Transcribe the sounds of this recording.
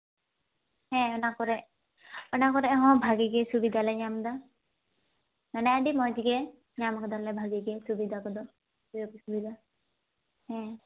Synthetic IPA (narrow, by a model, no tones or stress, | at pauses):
hɛ̃ɔnakɔɾɛʔ | ɔnakɔɾɛʔɦɔ̃bʱaɡiɡɛsubid̪ʱalɛɲamd̪a | manɛaɖimɔ̃d͡ʒiɡɛ | ɲamɔkɔd̪aɾlɛbʱaɡiɡɛsubid̪ʱakɔd̪ɔ | ɔkisubid̪ʱa | hɛ̃